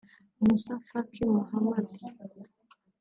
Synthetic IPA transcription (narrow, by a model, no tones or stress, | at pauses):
musafakʰiwahamad̪i